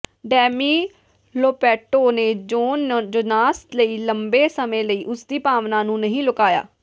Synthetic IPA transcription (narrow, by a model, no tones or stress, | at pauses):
ɖɛːmiː | loːpɛːʈoːneːd͡ʒoːnd͡ʒʊnaːst̪ləiːləmbeːsəmẽːləiːʔʊsd̪iːpaːʋnaːnũːnəɦĩːlʊkaːja̰ː